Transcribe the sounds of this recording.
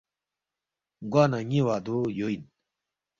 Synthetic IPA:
ɡwaːnaɲiwad̪ojoin

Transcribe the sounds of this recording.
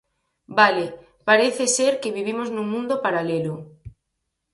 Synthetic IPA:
bale | paɾeθeseɾkɪβiβimoznumũnd̪opaɾalelʊ

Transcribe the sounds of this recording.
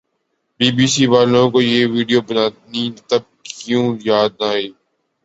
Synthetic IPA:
biːbiːsiːʋaːlõːkoːjeːʋiːɖijoːbənaːt̪nit̪ɐb̚kjũːjaːd̪̚naːɦeː

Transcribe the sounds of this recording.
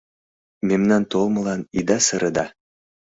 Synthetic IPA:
memnɑnt̪olˠmɤ̆lˠɑnid̪ɑsɤ̆ɾɤ̆d̪ɑ

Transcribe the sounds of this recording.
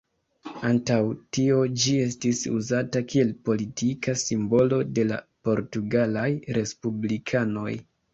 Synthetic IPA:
antawtio̞d͡ʒie̞s̬tisṵzatakʰie̞lpo̞litʰikʰasimbo̞lo̞de̞la̰po̞ɾtuɡalajɾe̞spublikʰano̞̰j

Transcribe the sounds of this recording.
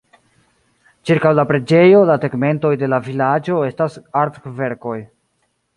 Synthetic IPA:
t͡ʃiɾkawlapɾe̞d͡ʒe̞jo̞lateɡme̞nto̞jde̞lavilad͡ʒo̞e̞stasaɾtve̞ɾko̞j

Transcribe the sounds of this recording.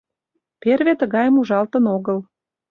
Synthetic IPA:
perβet̪əɣɑjəmuʒɑlt̪ənoɣəl

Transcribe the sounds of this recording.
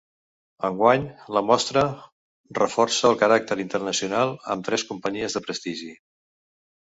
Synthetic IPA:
əŋɡwaɲləmɔst̪ɾə | rəfɔrsəəlˠkəɾak̚t̪əɾint̪ərnəsiunalˠə̰mt̪ɾɛskumpəɲiəzðəpɾəst̪iʒi

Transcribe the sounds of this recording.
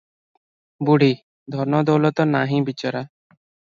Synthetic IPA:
buɽ̤ʱi | d̪ʱɔɾmɔd̪ɔwlɔt̪ɔnaɦĩbit͡ʃɔɾa

